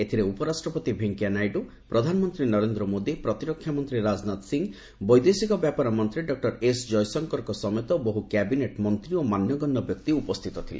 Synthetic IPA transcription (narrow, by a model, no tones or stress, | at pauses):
et̪ʰiɾeupɔɾasʈɾɔpɔt̪ibʱeŋkianajɖu | pɾɔd̪ʱanɔmɔnt̪ɾinɔɾend̪ɾɔmod̪ipɾɔt̪iɾɔkʰːjamɔnt̪ɾiɾad͡ʒnat̪siŋ | bɔjd̪esikɔbjapaɾɔmɔnt̪ɾiɖɔk̚ʈɔɾesd͡ʒɔjsɔŋkɔɾkɔsɔmet̪ɔboɦukɛbineʈmɔnt̪ɾiomanjɔɡɔnːɔbjɔk̚t̪iupɔst̪ʰit̪ɔt̪ʰilḛ